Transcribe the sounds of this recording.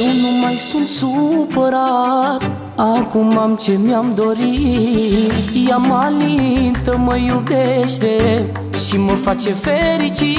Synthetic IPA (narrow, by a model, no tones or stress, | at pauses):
numajsunt̪supəɾat̪ | akumamt͡ʃemjamd̪oɾi | jamalint̪əməjubeʃt̪e | ʃiməfat͡ʃefeɾit͡ʃi